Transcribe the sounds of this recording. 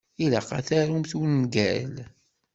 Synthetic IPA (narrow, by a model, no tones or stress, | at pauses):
ilæ̰qa̰θæɾumθwənːɡæl